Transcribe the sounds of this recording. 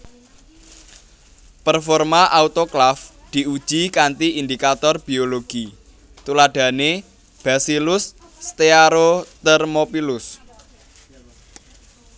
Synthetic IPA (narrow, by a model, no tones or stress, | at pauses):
pərfɔrmaʔaut̪oklaf | d̪̥i̤ud̥ʒ̥ikant̪iind̪ikat̪ɔrb̥i̤oloɡ̥i | t̪ulaɖ̪̥ä̤ne | b̥a̤silʊsː | t̪eaɾot̪ɛrmopilʊs